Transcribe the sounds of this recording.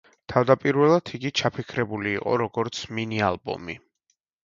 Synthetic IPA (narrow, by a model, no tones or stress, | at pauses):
t̪ʰavd̪apʼiɾvɛlˠad̪ʰiɡit͡ʃʰapʰikʰɾɛbuliːqʼɔ̰ɾɔɡɔɾt̪sʰminialˠbɔ̰mi